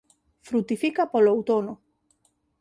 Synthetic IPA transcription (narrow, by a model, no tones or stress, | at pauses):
fɾut̪ifikapolawt̪ono